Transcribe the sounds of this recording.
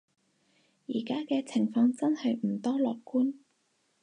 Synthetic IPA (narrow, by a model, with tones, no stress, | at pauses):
jiː˨˩kaː˥kɛː˧t͡sʰɪ˨˩ŋfɔː˧ŋt͡sɐ˥nhɐ˨jm̩˨˩t̪ɔː˥lɔː˨kkuː˥n